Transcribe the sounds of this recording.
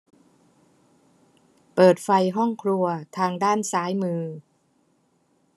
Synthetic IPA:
pɤː˨˩t̪̚fa˧jɦɔ˥˩ŋkʰɾu˧ɐt̪ʰaː˧ŋdaː˥˩nsaː˩˦jmɯː˧

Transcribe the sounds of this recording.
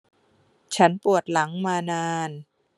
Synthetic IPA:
t͡ɕʰa˦˥npu˨˩ət̪̚la˩˦ŋmaː˧naː˧n

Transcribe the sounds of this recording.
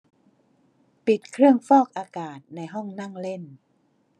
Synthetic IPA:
pi˨˩t̪̚kʰɾɯ˥˩əŋfɔː˥˩k̚ʔaː˧kaː˨˩t̪̚na˧jɦɔ˥˩ŋna˥˩ŋle˥˩n

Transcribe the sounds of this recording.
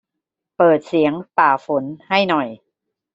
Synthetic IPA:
pɤː˨˩t̪̚si˩˦əŋpaː˨˩fo˩˦nha˥˩jnɔ˨˩j

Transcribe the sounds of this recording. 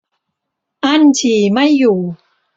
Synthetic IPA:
ʔa˥˩nt͡ɕʰiː˨˩ma˥˩jːuː˨˩

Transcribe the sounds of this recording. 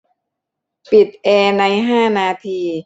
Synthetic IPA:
pi˨˩t̪̚ʔeː˧na˧jɦaː˥˩naː˧t̪ʰiː˧

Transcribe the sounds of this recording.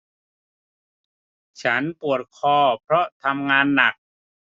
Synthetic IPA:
t͡ɕʰa˦˥npu˨˩ət̪̚kʰɔː˧˩pʰɾɔ˦˥t̪ʰa˧mŋaː˧nːa˨˩k̚

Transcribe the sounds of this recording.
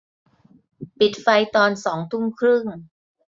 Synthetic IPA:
pi˨˩t̪̚fa˧jt̪ɔː˧nsɔː˩˦ŋt̪ʰu˥˩ŋkʰɾɯ˥˩ŋ

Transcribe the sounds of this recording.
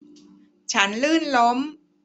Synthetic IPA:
t͡ɕʰa˦˥nlɯː˥˩nlo˦˥m

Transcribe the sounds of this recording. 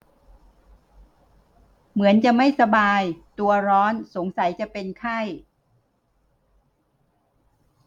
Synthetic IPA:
mɯ˩˦ənt͡ɕa˨˩ma˥˩jsa˧baː˧jt̪u˧ɐɾɔː˦˥nso˩˦ŋsa˨˩˦jt͡ɕa˨˩˨pe˧nkʰa˥˩j

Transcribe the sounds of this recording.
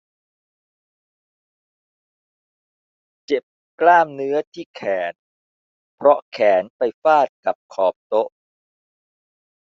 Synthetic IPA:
t͡ɕe˨˩p̚ | klaː˥˩mnɯ˦˥ɐt̪ʰiː˥˩kʰɛː˩˦n | pʰɾɔ˦˥kʰɛː˩˦npa˧jfaː˥˩t̪̚ka˨˩p̚kʰɔː˨˩p̚t̪o˦˥ʔ

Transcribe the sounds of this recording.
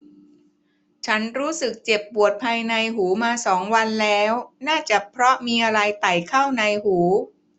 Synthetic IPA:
t͡ɕʰa˦˥nɾuː˦˥sɯ˨˩k̚t͡ɕe˨˩pːu˨˩ət̪̚pʰaː˧jna˧jɦuː˩˦maː˧sɔː˩˦ŋwa˧nlɛː˦˥wnaː˥˩t͡ɕa˨˩pʰɾɔ˦˥miː˧ʔa˧ɾa˧jt̪a˨˩jkʰa˥˩wna˧jhuː˩˦

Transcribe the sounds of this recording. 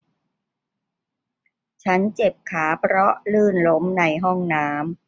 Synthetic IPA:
t͡ɕʰa˦˥nt͡ɕe˨˩p̚kʰaː˩˦pʰɾɔ˦˥lɯː˥˩nlo˦˥mna˧˩jɦɔ˥˩ŋnaː˦˥m

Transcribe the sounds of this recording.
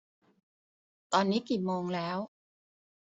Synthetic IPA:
t̪ɔː˧nːiː˦˥kiː˨˩moː˧ŋlɛː˦˥w

